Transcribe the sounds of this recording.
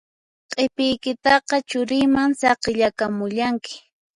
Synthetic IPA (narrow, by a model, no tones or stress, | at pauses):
qʼepɪjkɪt̪ɑqɑt͡ʃʊɾɪjmaŋsɑqɪʎakamʊʎaŋkɪ̥